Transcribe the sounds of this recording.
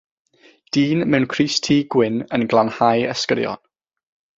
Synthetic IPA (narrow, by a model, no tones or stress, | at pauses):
d̥iːnmɛwnkʰriːstʰiːɡ̥wɪnənɡlˠanhajəskəɾjɔ̰n